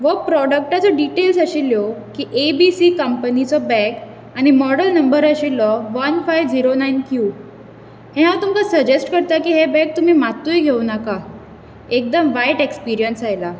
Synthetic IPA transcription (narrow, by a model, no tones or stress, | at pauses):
ʋəpɾɔɽək̚ʈat͡sɔɖiʈels̬əɕiljɔkiːʔebisiːkəmpənit͡sɔbɛ̃k | aɽ̃imɔɽəlnəmbəɾəɕilɔʋənfajʋd͡ziɾonajnkju | hɛ̃ɦãt̪umkasəd͡ʑesʈkəɾt̪akiːɦebɛ̃k̚t̪um̤iːmat̪ːujɡʱewnaka | ek̚d̪əmʋajʈekspiɾijənsajla